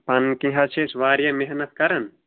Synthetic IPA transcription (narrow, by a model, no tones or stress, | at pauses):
pɐnkiɦat͡ʃʰesʋaːɾjɐmeɦnɐt̪̚kɐɾɐn